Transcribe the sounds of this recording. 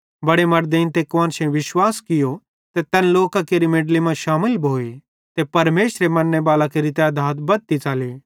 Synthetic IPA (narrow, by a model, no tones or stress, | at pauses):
bɐɽemɐɾd̪eːnt̪ekãːnʃẽʋɪʃwaːskɪjo | t̪et̪ɛnloːkãkeːɾimeːɖlimãʃaːmɪlbʱoːe | t̪epɐɾmeːʃɾemɐnːebaːlakeɾit̪jad̪ʱaːt̪bɐd̪̚t̪it͡ʃaːleː